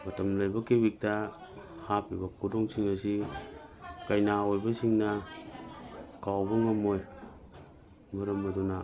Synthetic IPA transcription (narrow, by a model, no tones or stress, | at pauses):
matamlajbakebik̚ta | hapibakʰudoŋsiŋasi | kajnaojbasiŋna | kawbaŋamoj | maɾambaduna